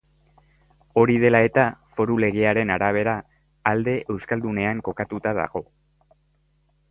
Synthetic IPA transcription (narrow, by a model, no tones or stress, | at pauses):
o̞ɾið̞e̞lae̞t̪afo̞ɾule̞ɣ̞eaɾe̞naɾaβ̞e̞ɾaː | ld̪e̞ʔe̞wskald̪une̞aŋko̞kat̪ut̪aða̰ɣ̞o̞